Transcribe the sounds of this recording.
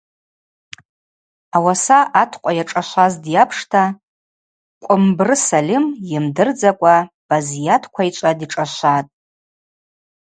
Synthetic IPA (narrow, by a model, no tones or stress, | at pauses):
awasaʔatʰqʷʼajaʈ͡ʂʼaʃʷazdjapʰʂtʰa | kʷʼʊmbrɨsalʲɪmjɪmdɨrd͡zakʷʼa | b̥azijatʰkʷʰait͡ʃʷʼadiʈ͡ʂʼaʃʷatʼ